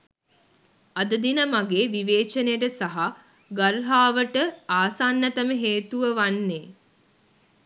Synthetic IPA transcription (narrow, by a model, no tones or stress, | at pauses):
ɐd̪əd̪inəmaɡeːʋiʋeːt͡ʃənejʈəsaɦa | ɡaɾɦaːʋəʈəaːsanːət̪əməɦeːt̪uʋəʋanːeː